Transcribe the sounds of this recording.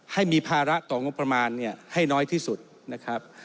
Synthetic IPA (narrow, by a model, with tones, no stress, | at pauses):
ha˥˩jmiː˧pʰaː˧ɾa˦˥t̪ɔː˨˩ŋo˦˥pːɾa˧maː˧nːi˥˩ɐha˥˩jnɔː˦˥jt̪ʰiː˥˩su˨˩t̪̚ | na˦˥kʰɾa˦˥p̚